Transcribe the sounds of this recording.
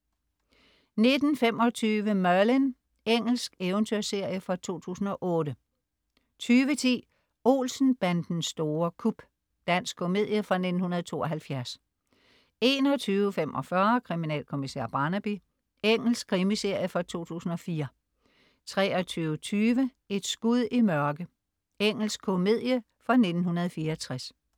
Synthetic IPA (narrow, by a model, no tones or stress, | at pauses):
ne̝d̥n̩femɒ̽t͡sʰyːʋəmɶɐlen | eŋ̰l̩sɡ̥eʊənt͡sʰøɐ̰se̝ɐ̰jəfɑt͡sʰo̝̰ːt͡sʰṵːsn̩ɒ̽ʔɔ̽ːdə | t͡sʰyːʋət͡sʰḭː | o̝̰lsn̩b̥ænd̥n̩sd̥o̝ːɐkʰub̥ | d̥æn̰sɡ̥kʰo̝me̝ð̰ˠjəfʁɑ̈ne̝d̥n̩hunɐð̞ˠt͡sʰo̝̰ːɒ̽ɦælfjæɐs | e̝ːnɒt͡sʰyːʊəfemʔɒ̽fɶɐkʰʁiminɛ̰ːlkʰo̝misḛɐ̰b̥ɑ̈ːnæb̥i | eŋ̰l̩skʰʁimise̝ɐ̰jəfɒ̽t͡sʰo̝̰ːt͡sʰṵːsn̩ɒ̽fiːɐ | t͡sʰʁɛːɒ̽t͡sʰyːʊət͡sʰyːʋə | e̝d̥sɡ̥uð̰ˠimɶɐɡ̥ə | eŋ̰l̩sɡ̥kʰome̝ð̞̰ˠjə | fʁɑ̈ne̝d̥n̩hunɐð̩ˠfiːɐɒt͡sʰʁas